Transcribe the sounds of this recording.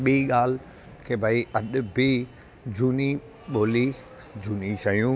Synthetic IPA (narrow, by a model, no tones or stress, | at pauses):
ɓiiɠaːl̤ | kʰeːbʱaiɐɗʊ̆bʱi | d͡ʑʱuːni | ɓoːli | d͡ʑuːnit͡ɕɐijũː